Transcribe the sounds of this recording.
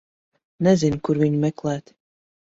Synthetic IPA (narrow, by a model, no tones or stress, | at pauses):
nɛzinkuɾviɲumɛklˠæːt̪